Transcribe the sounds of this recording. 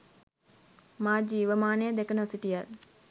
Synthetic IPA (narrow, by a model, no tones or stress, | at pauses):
maːd͡ʒiːʋəmaːnejəd̪ekənəosiʈijat̪